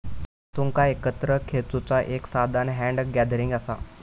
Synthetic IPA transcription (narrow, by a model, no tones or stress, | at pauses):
t̪uŋkaekət̪ɾəkʰet͡sut͡saʔeksad̪ʱanɦæ̃ɳɖɡɛd̪ɾiŋɡasa